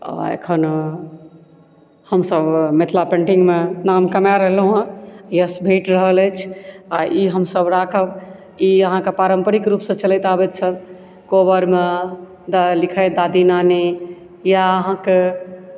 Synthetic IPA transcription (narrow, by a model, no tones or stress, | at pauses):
a̰ḛkʰən | həmsəbmet̪ʰlapẽɳʈiŋɡmenamkəmaɾəɦlɦũjəsbʱeʈɾəɦələjt͡ʃʰaʔiɦəmsəbɾakʰəb | iəɦãkepaɾəmpəɾikɾupsə̃t͡ʃələjt̪abɛt̪̚t͡ʃʰən | kobəɾme | d̪alikʰəd̪ad̪inanɛ | jaəɦãke